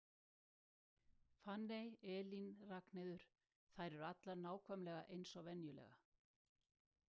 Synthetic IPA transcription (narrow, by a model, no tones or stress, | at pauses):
fanːejɛːlinraknɪðʏɾ̥ | θajɾɛɾat̪laɾnaːwkʰvœmlɛɣaʔejnsɔvɛnjʏlɛ̰ɣa̰